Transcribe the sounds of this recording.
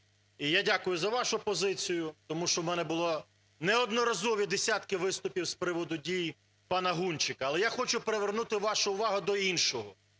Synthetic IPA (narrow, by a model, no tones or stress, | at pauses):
ijadʲakʊjʊzɐʋɑʃʊpɔzɪt͡sʲijʊt̪ɔmuʃt͡ʃɔwmɛnɛbʊlˠɔ | nɛɔd̪nɔɾɐzɔʋʲid̪esʲat̪kɪʋɪst̪ʊpʲiwspɾɪʋɔd̪ʊdʲij | pɑnɐɦunʲt͡ʃɪkɐːlˠɛjaxɔt͡ʃʊpeɾeʋernut̪ɪʋɑʃʊʊʋɑɦʊd̪ɔinʃɔɦɔ